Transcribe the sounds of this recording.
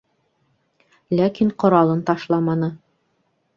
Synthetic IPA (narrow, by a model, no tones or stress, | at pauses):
lækiɴqŏɾɑlˠɤnt̪ɑʃlˠɑmɑnɤ